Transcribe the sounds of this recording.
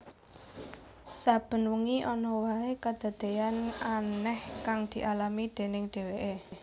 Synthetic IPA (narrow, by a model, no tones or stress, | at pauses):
sab̥ə̤nwuŋiʔɔnɔwaekad̪̥a̤d̪̥e̤jananɛhkaŋd̪̥i̤ʔalamid̪̥e̤nɪŋd̪̥e̤weʔe